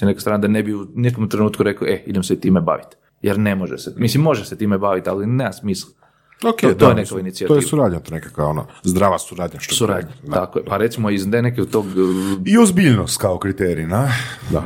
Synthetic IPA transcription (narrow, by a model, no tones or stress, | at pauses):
inekasɾaːnad̪anebiunekomt̪ɾe̞nuːt̪kuɾe̞kliʔeid̪emset̪iːmeba̰ʋit̪ | jeɾne̞moʒesemislimːo̞ʒeset̪iːmebaʋit̪alineːmasmislˠ | oket̪ojenekkoʋainit̪siat̪ojeiːsuɾaːd̪ɲat̪onekakʋajono̰zd̪ɾaːʋasuɾaːd̪ɲaʃt̪osuɾa̰ːd̪ɲat̪akojepaɾe̞t̪simoizd̪enekeod̪t̪oɡiozbiʎnost̪kaokɾit̪eɾinad̪a̰